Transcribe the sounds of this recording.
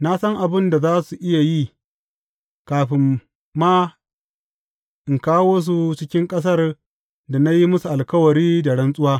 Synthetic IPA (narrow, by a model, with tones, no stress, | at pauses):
na˦sɐ˦ŋʔa˨bɪ˦nda˨zaː˦su˨ʔɪ˦ja˨ji˦ | kaː˨ɸɪ˨mː | aː˦ | ʔɪ˨ŋkaː˦wo˦s̬u˦t͡ʃɪ˦kʲɪ˦ŋkʼɐ˦s̬ɐ˦r | da˨na˦ji˦mʊ˦su˨ʔa˨lkɐ˦wɐ˨ɽiː˦da˨ɽɐ˦nsʼʊ˦waː˦